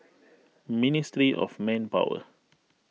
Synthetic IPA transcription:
ministɹiʔɔ̰fmɛ̃npa̰wə̰

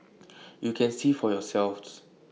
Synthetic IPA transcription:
jukʰɛ̃nsifɔjɔsɛlfs

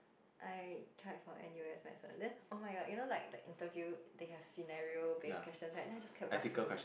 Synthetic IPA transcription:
ʔaɪtʰɹaɪtfãʔɛ̰̃niweɛsmɛ̰tə̰dɛ̃nʔomaɪɡɔdjunolaɪk̚dəʔĩntəvjudeɛv̥sinaɹiobeskkwɛstə̃nsɹaɪt̚dɛ̃naɪd͡ʒaskʰɛ̃ɛtikəlkwɛs

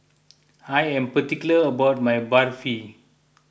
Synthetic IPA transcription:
ajɛ̃mpətikjuləəbawt̚majbaɹfi

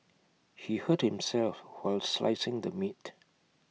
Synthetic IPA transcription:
hihəd̚hɪ̃msɛlfwaɪlsla̰ɪsɪ̃ŋd̪əmit

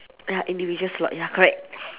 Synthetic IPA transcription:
jaʔĩndivid͡ʒə̃nslɔ̰ʔjakɔɹɛk̚

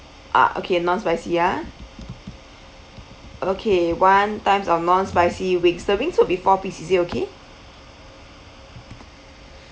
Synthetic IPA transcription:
ʔa̰ʔo̰kʰenɔ̃nspaɪsia | ʔokʰewãntãɪ̃msanɔ̃nspaɪsiwĩŋsdowĩŋtobifɔpisisitokʰe

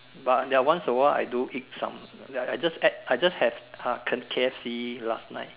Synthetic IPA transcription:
bat̚dɛwãnsɔwəa̰jduʔik̚sã̰maajd͡ʒasɛt̚ajd͡ʒashɛvakʰə̃kʰeɛfsilasna̰ɪt̚

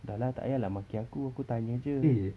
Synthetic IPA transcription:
dalat̪a̰ʔjalahmakiakuakut̪aɲəd͡ʒəi

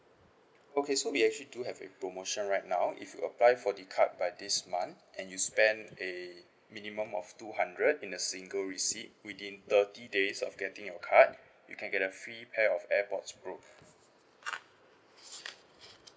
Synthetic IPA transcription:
okʰesowiɛk̚t͡ʃəliduhɛvḛpɹomoʃə̃nɹaɪt̚nawʔḭfjṵəplaɪfɔdikʰa̰t̚bajdismãn | ʔɛ̃njuspɛ̃nde | minimə̃mɔ̰ftuhãndɹədĩnəsĩŋɡəlɹisit̚widĩnt̪ətidesɔ̰fɡɛtĩŋjɔkʰat̚ | jṵkʰɛ̃nɡɛtəfɹipʰɛɔfɛpɔtspɹo

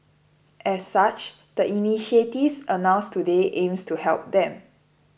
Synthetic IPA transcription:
ʔɛsːat͡ʃ | d̥əʔiniʃietifsənãʊ̃nstudeʔẽmstuhɛlp̚d̪ɛ̃m

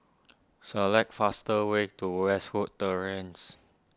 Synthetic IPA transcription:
səlɛk̚fastəwetuwɛswud̚təɹẽns

